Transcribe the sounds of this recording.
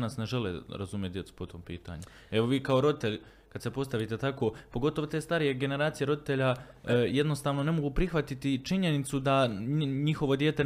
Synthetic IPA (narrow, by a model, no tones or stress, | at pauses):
nasne̞ʒe̞lḛɾa̰zumjed̪jet̪su̥po̞t̪ʰo̞ːmpḭːt̪a̰ɲu | e̞ʋo̞ʋiːkao̞ɾo̞d̪it̪e̞ʎ | kad̪se̞po̞st̪aʋit̪e̞t̪ako̞ːpoɡo̞t̪o̞ʋot̪eːst̪aɾije̞ɡe̞ne̞ɾaːt̪ije̞ɾo̞d̪it̪e̞ʎa | je̞d̪no̞st̪aːʋno̞ne̞mo̞ɡuːpɾixʋat̪it̪it͡ʃiɲe̞nit̪sud̪aɲixo̞ʋo̞d̪jeːt̪e̞